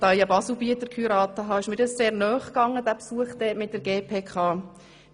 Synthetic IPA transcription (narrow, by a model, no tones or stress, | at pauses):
tɑjɑbɑsl̩biətəɾkʰyɾɑːtəɦɑːɪʃmɪdəsseːɾnœːχkɑŋːəd̥æpsuəχd̥ɛːtmɪt̚d̥əɾɡeːpʰeːkʰɑː